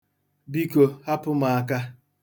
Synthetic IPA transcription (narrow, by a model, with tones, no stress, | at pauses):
bi˦ko˨ha˦pʊ˦ma˨a˦˨ka˦